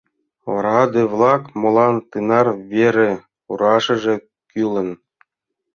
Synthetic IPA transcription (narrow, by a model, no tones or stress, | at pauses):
ɑɾʁɑd̪evlˠɑkmŏlˠɑnt̪ɯnɑrvʲeɾʲɘ̆ | uɾɑʂɤ̆ʐɘ̆ | kʲylʲˠɤ̆n